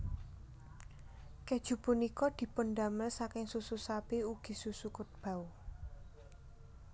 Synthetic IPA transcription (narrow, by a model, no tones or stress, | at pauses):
ked̥ʒ̥ṳpunikɔd̪̥i̤pʊnd̪a̤məlsakɪŋsususapeuɡ̥i̤susukʊt̪̚b̥a̤u